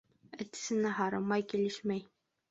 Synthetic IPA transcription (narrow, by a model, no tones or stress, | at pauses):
ɘ̆t̪ɘ̥̆sɘ̆næɦɑɾɤmɑjkilɘʃmæj